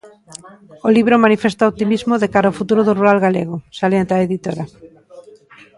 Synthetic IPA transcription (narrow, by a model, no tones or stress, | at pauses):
oliβ̞ɾomanifest̪aot̪imizmoðekaɾaofut̪uɾoðoruɾalɣaleɣosaljant̪aeðit̪oɾa